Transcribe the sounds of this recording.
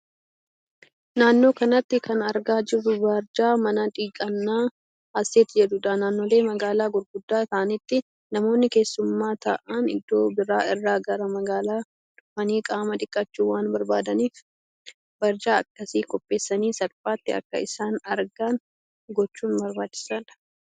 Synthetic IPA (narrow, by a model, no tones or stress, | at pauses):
naːnːo̞ːkɐnɐt̪ːɪkɐnɐɾɡaːd͡ʒɪrːʊbɐɾd͡ʒaːmɐnɐᶑ̪ʼiːkʼɐnːaː | ɐsːeːt̪ːɪd͡ʒɛd̪ʊᶑ̪ɐnaːnːo̞ːleːmɐɡaːlaːɡʊɾɡʊd̪ːaːt̪ɐʔɐnɪt̪ːɪ | nɐmo̞ːnːɪke̞ːsːʊmːaːt̪ɐ̰ʔanɪ̰d̪ːo̞ːbɪɾaːɪrːaːɡɐɾɐmɐɡaːlaː | ᶑ̪ʊfɐniːkʼaːmɐt̪ʼɪkʼːɐt͡ʃːuːwaːnbɐɾbaːd̪ɐniːf | bɐɾd͡ʒaːɐkːɐsiːkʼɔpʼːe̞ːsːɐniːsɐɾfaːt̪ːɪɐ̰kːɐ̰ɪsaːnɐɾɡan | ɡɔt͡ʃːuːnbɐɾbaːt͡ʃːɪ̥sɐᶑɐ̥